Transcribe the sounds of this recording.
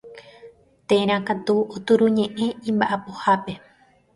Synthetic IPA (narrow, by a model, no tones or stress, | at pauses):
t̪ẽɾ̃ãkat̪uot̪uɾũɲẽ̞ʔẽ̞ĩmbaʔapohape̞